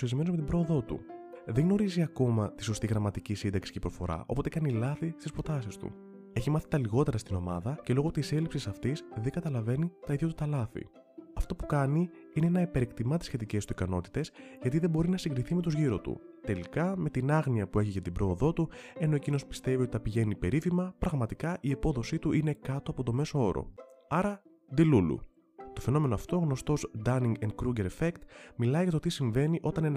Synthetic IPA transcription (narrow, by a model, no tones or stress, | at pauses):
ɾizme̞nozme̞t̪ibɾo̞ːðo̞t̪ṵðeɡno̞ɾiziɐko̞mɐt̪i̥so̞st̪iɣɾɐmɐt̪icisind̪ɐksi̥cepɾo̞fo̞̰ɾɐ̰ʔopo̞t̪e̞kɐnilɐθist̪ispɾo̞t̪ɐsist̪ṵ | e̞çimɐθi̥t̪ɐliɣo̞t̪e̞ɾɐst̪ino̞mɐðɐcelo̞ɣot̪ise̞lipsisɐft̪isðeɡɐt̪ɐlɐve̞nit̪ɐiðʝot̪ut̪ɐlɐθḭ | ɐft̪o̞pu̥kɐniine̞enɐipeɾikt̪imɐt̪i̥sçe̞t̪ice̞st̪uikɐno̞t̪i̥t̪e̞sʝɐt̪iðebo̞ɾinɐsiŋɡɾiθime̞t̪uzʝiɾo̞t̪ṵ | t̪e̞likɐme̞t̪inɐɣniɐpue̞çiʝɐt̪ibɾo̞ːðo̞t̪ue̞no̞e̞cino̞spi̥st̪e̞viot̪it̪ɐpiʝe̞nipe̞ɾifimɐpɾɐɣmɐt̪ikɐʔiepo̞ðo̞sit̪uʔine̞kɐt̪o̞ɐpo̞t̪o̞me̞so̞o̞ɾo̰ɐɾɐ | d̪ilulṵ | t̪o̞feno̞me̞no̞ɐft̪o̞ɣno̞st̪o̞zd̪ɐniŋɡend̪kɾuɡeɾefekt̪milɐiʝɐt̪ot̪isiɱve̞niʔo̞t̪ɐnen